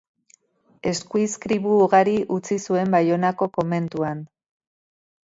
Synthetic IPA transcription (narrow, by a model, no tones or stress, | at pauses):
e̞skuiskɾiβuːɣaɾiʔut͡sisue̞mbajo̞nako̞ko̞me̞nt̪uan